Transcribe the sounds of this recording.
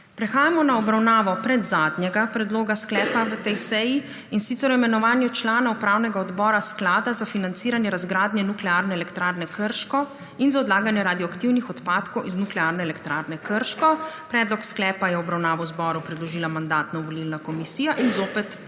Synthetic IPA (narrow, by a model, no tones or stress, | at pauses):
pɾɛxaːjamɔnaɔbɾawnaːʋɔpɾɛd̪zaːd̪njɛɡapɾɛd̪loːɡasklɛːpaʋət̪ɛjsɛji | insit̪sɛɾɔimɛnɔʋaːnjut͡ʃlaːnaupɾawnɛɡaɔd̪bɔːɾasklaːd̪azafinant̪siːɾanjɛɾazɡɾaːd̪njɛnuklɛaːɾnɛɛlɛkt̪ɾaːɾnɛkəɾʃkɔ | inzaɔd̪laːɡanjɛɾad̪jɔakt̪iwnixɔt̪paːt̪kɔwʔiznuklɛaːɾnɛɛlɛkt̪ɾaːɾnɛkəɾʃkɔpɾɛːd̪lɔksklɛːpajɛɔbɾawnaːʋɔwzbɔːɾupɾɛd̪lɔʒiːlamand̪aːt̪nɔʋɔlilnakɔmisiːjaʔinzoːpɛt̪